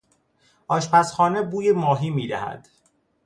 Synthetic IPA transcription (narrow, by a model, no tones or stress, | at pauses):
ʔɒːʃpæsxɒːnebuːjemɒːɦiːmiːd̪æhæ̰d̪̥